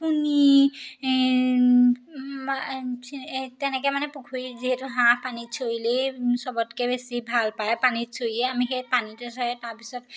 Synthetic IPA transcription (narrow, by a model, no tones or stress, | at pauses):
puni | ma | tɛnɛkɛmanɛpukʰuiziɦetuɦãpanisʰoilesɔbɔtkɛbesibʱalpajpanisʰoiɛamixepanitɛsɔjɛtaɹpisɔt